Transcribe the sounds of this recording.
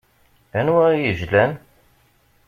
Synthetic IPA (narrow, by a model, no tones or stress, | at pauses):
ænwæɾjəʒlæn